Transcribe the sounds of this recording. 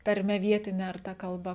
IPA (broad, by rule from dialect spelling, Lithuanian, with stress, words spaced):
tɐrʲˈmʲɛ ˈʋʲiɛtʲɪnʲɛ ɐr ˈtɐ kɐlˠˈbɐ